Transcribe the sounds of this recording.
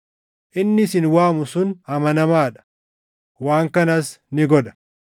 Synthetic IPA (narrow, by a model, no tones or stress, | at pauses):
ʔɪnːɪsɪnwaːmʊsʊnɐmɐnɐmaːᶑɐ̥ | waːŋkɐnɐsnɪɡɔᶑɐ̥